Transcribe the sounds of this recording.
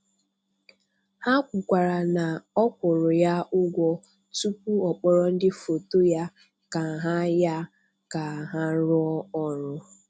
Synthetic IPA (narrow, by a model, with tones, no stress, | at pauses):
ha˦kʷʊ˨kʷa˨ɾa˨na˨ɔ˦kʷʊ˨ɾʊ˨ja˦ʔʊ˦ɡʷɔ˦ | tu˦k̚ʷu˦ɔ˨k͡pɔ˦ɾɔ˦n̩˦dɪ˦fo˨to˦ja˦ | ka˨ɦa˦ja˦ | ka˨ɦa˦ɾʊ˦ɔ˦ɔ˦ɾʊ˦